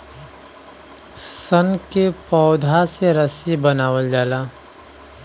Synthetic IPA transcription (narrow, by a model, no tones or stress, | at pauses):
sənkepɔːʊd̪ʱaseɾəsibənaːwəld͡ʒaːlaː